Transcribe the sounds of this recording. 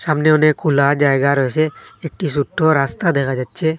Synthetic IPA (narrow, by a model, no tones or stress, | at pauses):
saːmneʊnekʰʊlad͡ʒaːeɡaɾɔɛseeːk̚ʈis̬ʊʈʰːoɾaːst̪ad̪ekʰad͡ʒaːdt͡ʃʰeː